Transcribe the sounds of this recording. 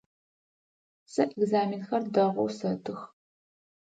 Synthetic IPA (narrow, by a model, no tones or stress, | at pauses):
sɐʔɛɡzaːminxɐrdɐʁʷʊ̰wsɐtʰɨx